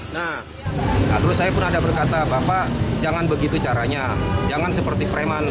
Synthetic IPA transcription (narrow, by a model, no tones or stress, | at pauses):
na | a̰t̪ɾʊssajapʊnadabərkat̪abapad͡ʒaŋanbəɡit̪ut͡ʃaɾaɲad͡ʒaŋansəpərt̪ipɾeman